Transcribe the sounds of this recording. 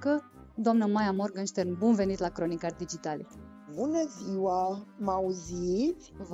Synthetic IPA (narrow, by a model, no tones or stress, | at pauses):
kə | d̪oamnəmajamorɡənʃt̪ernbunve̞nit̪lakɾo̞nikarʲd̪id͡ʒit̪alḛ | bunəziwamauzi | v